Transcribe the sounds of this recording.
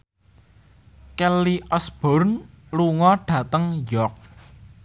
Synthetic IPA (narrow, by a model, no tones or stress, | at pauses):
kɛliʔɔsb̥ɔ̤rn | luŋɔɖ̥ä̤t̪əŋjɔk̚